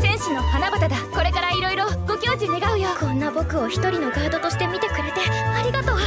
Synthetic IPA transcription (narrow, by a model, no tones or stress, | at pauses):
sẽ̞ɰ̃ɕɨno̞hanabat̪ad̪ako̞ɾe̞kaɾaiɾo̞iɾo̞ɡo̞kʲo̞ːd͡ʑine̞ɡaɯ̟jokõ̞nːabo̞kɯ̟o̞çi̥t̪o̞ɾʲino̞ɡaːd̪o̞t̪o̞ɕi̥t̪e̞mʲit̪e̞kɯ̟ɾet̪eaɾʲiɡat̪o̞ːa